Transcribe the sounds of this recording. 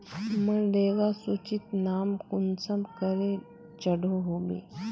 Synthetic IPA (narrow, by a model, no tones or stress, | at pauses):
məɳɖeʋasut͡ɕit̪namkunsəmkəɾe | t͡ɕəɽoɦobḭ